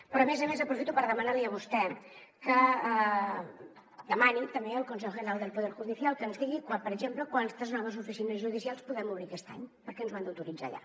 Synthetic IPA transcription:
pɾɔmezəmezəpɾufit̪upəɾðəmənaɾliəβ̞ust̪ɛkə | d̪əmanint̪əmbeəlˠkuns̬ɛʎʒənəɾalˠd̪əlˠpuðɛɾʒuðisialˠkənzðiɣikwapəɾəʒempləkwant̪əznɔβəzufisinəzʒuð̞isialˠspuðɛmuβɾikɛst̪a̰ɲpəɾkɛənzβand̪əwt̪uɾid͡za̰ʎa̰

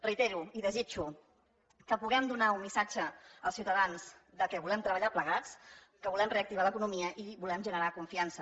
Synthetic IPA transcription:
rəit̪eɾuiðəzit͡ʃu | kəpuɣɛmd̪unaummisad͡ʒəəlˠsiuwt̪əðanz̥d̪əkɛβulɛmt̪ɾəβəʎapləɣ̞at͡s | kəβulɛmreəkt̪iβaləkunumiəʔiβulɛmʒənəɾakuɱfiansə

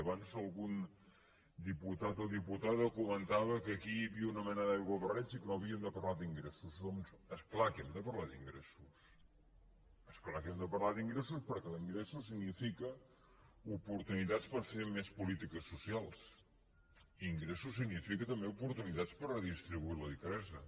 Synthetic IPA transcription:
əβanzəlˠɣun | d̪iput̪at̪oðiput̪aðəkumənt̪aβəkəkiβiunəmɛnəðawɣoβərɛnsikənoəβiənd̪əpəɾlad̪iŋɡɾesuzðɔmsəsplakemd̪əpəɾlad̪ḭŋɡɾesus | əsplakemd̪əpəɾlaðiŋɡɾes̬uspəɾkɛlˠiŋɡɾesus̬iɡnifikə | upuɾt̪unit̪at͡spəɾfemespulit̪ikəsːusialˠs | iːŋɡɾesusːiɡnifikət̪əmbeupuɾt̪unit̪at͡spəɾrəðist̪ɾiβuiləðifəɾɛzə

